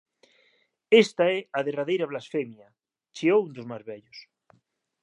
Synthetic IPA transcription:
est̪aɛaðeraðejɾaβlasfemja | t͡ʃiound̪ozmazβɛʎos

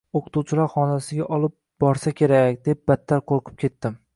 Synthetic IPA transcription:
oqʰʊ̥t̪ʰuwt͡ʃʰɪlaɾχɒnasɪɡʲaʔɒlˠɪp̚ | bɒɾsakʲʰe̞ɾakʲd̪ep̚bat̪ːaɾqʰoɾqʰɨ̥p̚kʲʰe̞t̪ːɪm

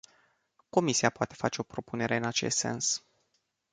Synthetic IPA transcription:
ko̞misiapoat̪e̞̥fa̰t͡ʃe̞o̞pɾo̞pune̞ɾe̞ɨnat͡ʃe̞st̪se̞̰ns

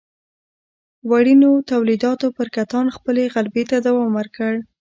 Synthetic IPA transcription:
waɽinot̪awlid̪ɑt̪opəɾkat̪ɑnxpəleɣalbet̪ad̪awɑmwəɾkəɽ

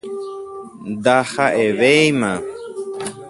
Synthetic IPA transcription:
d̪ahaʔeʋejmã

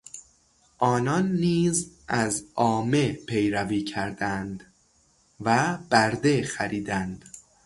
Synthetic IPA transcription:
ʔɒːnɒnːiːzʔæzɒːme̞pʰe̞jɾæviːcʰæɾd̪ænd̪ | væb̥æɾd̪e̞xæɾiːd̪ænd̪̥

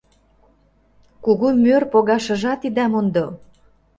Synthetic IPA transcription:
kuɣumørpoɣɑʃə̆ʒɑt̪id̪æmond̪o

